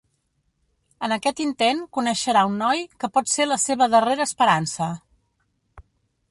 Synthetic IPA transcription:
ənəkɛt̪int̪eŋkunəʃəɾaunːɔjkəpɔt̪seləseβ̞əðəreɾəːspəɾansə

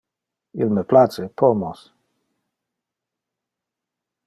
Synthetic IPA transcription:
ḭlməplat͡sepʰɔmɔs

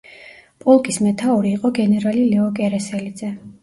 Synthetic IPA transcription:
pʼɔlˠkʼismɛt̪ʰauɾiːqʼɔɡɛnɛɾalilɛɔkʼɛɾɛsɛlid̪zɛ

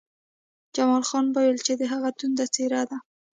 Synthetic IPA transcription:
d͡ʒamɑlxɑnbəwelt͡ʃed̪əɦaɣat̪und̪at͡seɾad̪a

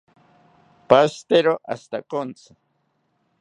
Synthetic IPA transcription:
past̪eɾoʔa̰st̪akont͡sʰɪ̥

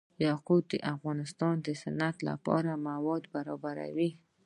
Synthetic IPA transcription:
jɑqut̪̚d̪ə̰ʔafɣɑnɪst̪ɑnd̪əsanat̪la̰pɑ̰ɾamawɑd̪baɾɑbaɾa̰wi

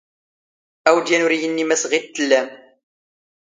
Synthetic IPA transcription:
æwd̪jænʊɾijənːimæsʁit̪ːəlːæm

